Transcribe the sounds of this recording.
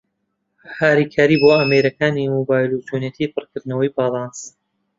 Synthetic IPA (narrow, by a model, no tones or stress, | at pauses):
haːɾiːkʰaːɾiːboːameɾɐkaːnimoːbaːjlˠut̪ʰonjet̪ʰipʰɨrkɨɾd̪nɐwɐjbɑːlˠɑns